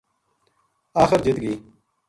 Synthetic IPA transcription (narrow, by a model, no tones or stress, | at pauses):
aːxɪɾd͡ʑit̪ɡiː